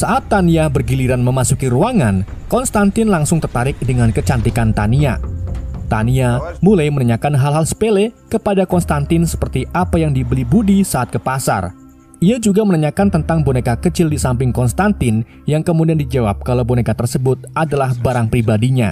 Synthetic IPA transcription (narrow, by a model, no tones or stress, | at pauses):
saʔat̪ːaniabərɡiliɾanməmasukiɾuaŋan | kɔnst̪ant̪ɪnlaŋsʊŋt̪ərt̪aɾɪk̚dəŋankət͡ʃant̪ikant̪ania̰ | t̪a̰niamulajmənəɲakanɦalɦalsə̥pelɛkəpadakɔnst̪ant̪ɪnsə̥pərt̪iʔapajaŋdibəlibudisaat̪̚kəpasa̰r | ʔiad͡ʒuɡamənəɲakant̪ənt̪aŋbonekakət͡ʃɪldisampɪŋkɔnst̪ant̪ɪn | jaŋkəmudiandid͡ʒawap̚kalawbonekat̪ərsəbʊt̪̚adalahbaɾaŋpɾibadiɲa̰